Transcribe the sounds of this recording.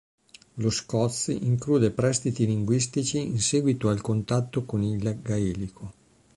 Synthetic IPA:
loskɔt̪siŋkluːd̪epɾɛst̪it̪iliŋɡwis̬t̪it͡ʃiinsɛːɡwit̪oalkont̪at̪ːokonilɡaiːlikʰo

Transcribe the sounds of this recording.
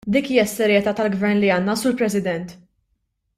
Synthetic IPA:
d̪iːkiːjɐsːɛɾjɛt̪ɐːt̪ɐlɡvɛɾnliɐːnːɐsuːɾpɾɛsɪd̪ɛnt̪

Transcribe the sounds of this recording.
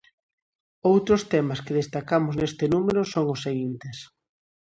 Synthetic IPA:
owt̪ɾʊst̪ɛmaskeðest̪akamʊznest̪enumeɾʊsoŋʊseɣint̪es

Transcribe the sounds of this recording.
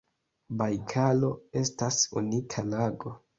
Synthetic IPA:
bajkʰalo̞e̞stasunikʰalaɡo̞

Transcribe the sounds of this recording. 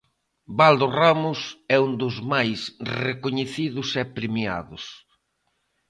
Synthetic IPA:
bald̪oramʊsɛund̪ʊzmajsrekoɲeθiðʊsɛpɾemja̰ðʊs

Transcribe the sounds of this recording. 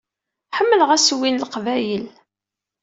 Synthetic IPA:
ħəmːələʁæswinlqvæjəl

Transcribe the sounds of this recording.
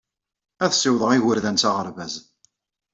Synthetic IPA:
æðsɪwðˤəʁiwəɾðænt͡sɑʁəɾvæz

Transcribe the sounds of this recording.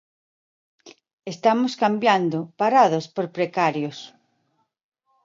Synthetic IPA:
est̪amoskambjand̪opaɾaðospoɾpɾekaɾjos

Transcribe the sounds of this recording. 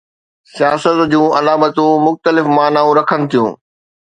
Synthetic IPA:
sijaːsət̪d͡ʑũːʔɐlaːmət̪ũmʊxt̪əlɪfmaːnaːũɾɐkʰənɪ̆t̪ʰijṵ̃ː

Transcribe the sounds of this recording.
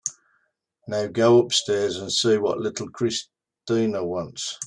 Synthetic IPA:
naʊɡəʊʊpstɛːzə̃nsiːwɒ̰ʔlɪtʰˡl̩ˠkʰɹ̥ɪs | tĩːnəwɒ̃nts

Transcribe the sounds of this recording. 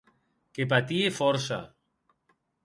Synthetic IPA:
kepat̪iefɔɾsa̰

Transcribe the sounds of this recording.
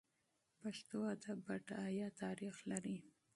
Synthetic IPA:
paʃt̪oad̪abaʈajɑt̪ɑɾixlaɾi

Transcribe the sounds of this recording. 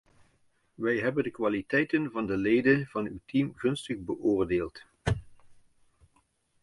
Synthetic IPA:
ʋɛjɦɛbəndəkʋaːlitɛjtənvɑndəlejdəv̥ɑnywtimɣɵnstəχbəʔʊːrdeːlˠt

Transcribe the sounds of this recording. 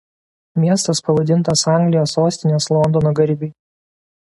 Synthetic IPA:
mʲiɛst̪ɐspɐʋɐd̪ʲɪnˑt̪ɐsɑˑŋʲɡlʲɪjoːsoːsʲt̪ʲɪnʲeːslˠɔnd̪ɔnoːɡɐɾʲbʲɪ

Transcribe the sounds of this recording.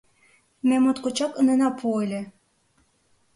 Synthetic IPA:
mæmot̪kot͡ɕɑkɤnɤ̆nɑpʰuelʲĕ

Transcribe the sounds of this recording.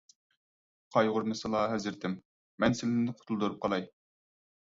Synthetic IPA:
qʰɑjʁʊɾmɨsɨlˠɑɦɛzɪɾt̪ʰɪmː | ɛnsɪlɪnnɪqʰʊ̥t̪ʰulˠd̪uɾup̚qʰɑlˠɑj

